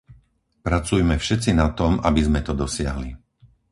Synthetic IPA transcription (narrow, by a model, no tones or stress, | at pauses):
pɾat͡sujmɛfʃɛt͡sinat̪ɔmabizmɛt̪ɔd̪ɔsɪa̰ɦli